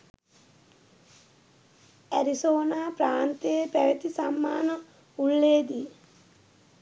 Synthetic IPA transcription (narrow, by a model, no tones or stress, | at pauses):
æɾisoːnaːpɾaːnt̪eepæʋet̪isamːaːnə | ulːeːd̪i